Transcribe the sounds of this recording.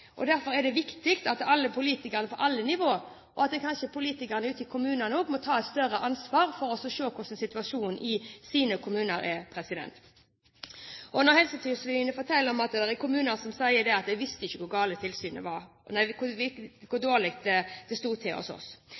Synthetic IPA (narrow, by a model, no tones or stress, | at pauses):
ʔɔd̪æɾfɔɾɛd̪ɛʋɪkt̪ɪkt̪ɑt̪ɑlːəpʰʊliːt̪ɪkəʁənəpʰɔʔɑlːənɪʋoː | ʔɔɑt̪̚d̪ɛkʰɑnʃəpʰʊliːt̪ɪkəʁənəʉːt̪ɪkʰʊmʉːnənoːɡmɔt̪ʰɑːɛt̪st̪œɾəʔɑnsʋɑːɾfɔɾɔsɔʂøːkʰʊʂɛnsɪt̪ʉɑʂuːnɪsiːnəkʰʊmʉːnəɾɛpʰɾɛsɪd̪ɛ̰nt̪ | ʔɔnɔhɛlsət̪ʰyːsɔʋɪʋɪnəfɔɾt̪ʰɛlːəɔmɑt̪d̪ɛʁɛkʊmʉːnəʁsɔmsæɪəd̪ɛɑt̪̚d̪ɛʋɪst̪əɪçːəkʰʊɾɡɑːlət̪ʰɪlsyːnə̰ʋɑɾ | næɪkʰʊʋɪkʰʊd̪oːʁlɪkt̪̚d̪ɛd̪ɛst̪uːt̪ʰɪɔ̰sɔ̰s